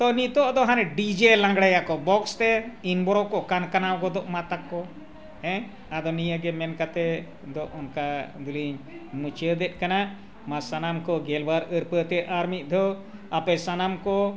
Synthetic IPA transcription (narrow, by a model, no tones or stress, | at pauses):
t̪ɔnit̪ɔʔd̪ɔɦanɛɖid͡ʒɛlãŋɡɽajaʔkɔbɔkst̪ɛinbɔɾɔkɔʔkankanawɡɔd̪ɔʔmat̪akːɔ | ɛ̃ | ad̪ɔnijəɡɛmɛnkat̪ɛ | d̪ɔʔɔnkad̪uliɲ | mut͡ʃəd̪ɛt̪̚ˀkana | masanamkɔɡɛlbaɾəɾpət̪ɛaɾmit̪̚ˀd̪ɔ | apɛsanamkɔ